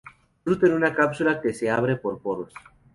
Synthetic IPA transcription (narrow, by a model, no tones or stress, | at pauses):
ɾut̪enunakapsulake̞se̞aβɾe̞po̞ɾpoɾos